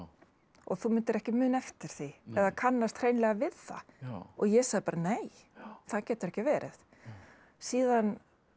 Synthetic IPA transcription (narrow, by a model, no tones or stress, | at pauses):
ɔɣθumɪnt̪ɪɾɛhcɪmʏːnɛft̪ɪɾ̥θiɛðakʰanːast̪ʰr̥eːjnlɛɣavɪðθa̰ɔɣjɛsaːðɪpaɾaneːj | θaðcɛːt̪ʏɾɛhcɪvɛːɾʔɪ̰θ | siːðan